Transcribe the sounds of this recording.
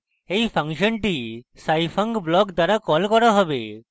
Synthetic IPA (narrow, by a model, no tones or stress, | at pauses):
ejpʰaŋʃɔnʈisajpʰaŋɡblɔkd̪aɾakɔlkɔɾaɦɔbe